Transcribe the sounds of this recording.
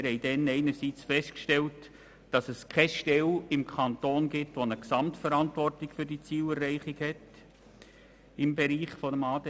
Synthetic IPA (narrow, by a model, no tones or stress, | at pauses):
ɾhɛɪdɛnɛɪnəɾsit͡sfɛstkʃtɛlt | d̥ɑsəskʰɛʃtɛlɪmkʰɑnt̪oːnɡɪtʋonəksɑmtfəɾɑntʋɔrtɪkfʏɾdit͡siːlɛɾːɛɪχɪɡhɛt | ɪmbɛɾiːχfɔdəmɑːdɛ